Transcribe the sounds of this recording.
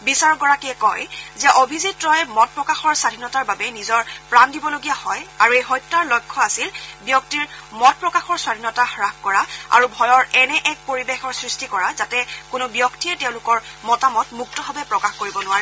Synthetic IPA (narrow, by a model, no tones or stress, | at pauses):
bisaɹɔk̚ɡɔɹakiɛkɔjzɛʔobʱizitɹɔjmɔt̚pɹɔkaxɔɹsadʱinɔtaɹbabɛnizɔɹpɹandibɔloɡijahɔjaɹuejɦɔjtːaɹlɔjkʰːɔasilbjɔk̚tiɹmɔt̚pɹɔkaxɔɹswadʱinɔtahɹakkɔɹaa̰ɹubʱɔjɔɹɛnɛʔɛk̚poɹibexɔɹsɹistikɔɹazatɛkʊnʊbjɔktiɛtɛʊ̃lʊkɔɹmɔtamɔtmuktɔbʱabɛpɹɔkaxkoɹibɔnʊaɹɛ